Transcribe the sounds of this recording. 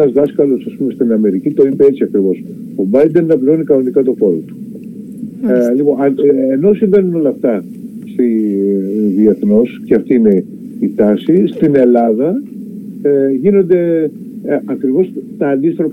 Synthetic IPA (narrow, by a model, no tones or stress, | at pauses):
ɐzðɐskɐlo̞sɐspume̞st̪inɐme̞ɾicit̪o̞ipee̞t͡siɐkɾivo̞s | obɐjd̪enːɐpɾio̞nikɐno̞nikɐt̪o̞fo̞ɾo̰t̪u̥ | lipo̞neno̞siɱvenuno̞lɐft̪ɐ | st̪i | ðieθno̞sceɐft̪iine̞ | it̪ɐsist̪ine̞lɐðɐ | eʝino̞nd̪e̞ | ɐkɾivo̞st̪ɐːnd̪ist̪ɾo